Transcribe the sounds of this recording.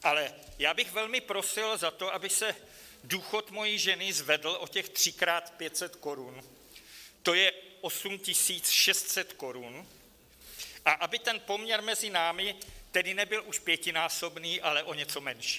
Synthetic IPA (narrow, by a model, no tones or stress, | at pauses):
ʔalɛjaːbɪɣvɛlmɪpɾo̞sɪlzat̪o̞ʔabɪsɛ | duːxo̞t̪mo̞jiʒɛnɪzvɛdl̩ʔo̞cɛxt̪r̝̥ɪkɾaːt̪pjɛt̪sɛt̪ko̞ɾun | t̪ojɛʔo̞sumcɪsiːt͡sʃɛst̪sɛt̪ko̞ɾun | ʔaʔabɪt̪ɛnpo̞mɲɛɾmɛzɪnaːmɪt̪ɛdɪnɛbɪlʔuʃpjɛcɪnaːso̞bniːʔalɛʔo̞ɲɛt͡so̞mɛnʃi̥ː